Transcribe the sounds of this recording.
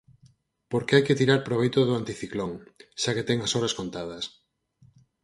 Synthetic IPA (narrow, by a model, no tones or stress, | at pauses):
poɾkeajket̪iɾaɾpɾoβ̞ejt̪ʊðʊant̪iθikloŋʃaket̪ɛŋɐsoɾɐskont̪að̞ɐs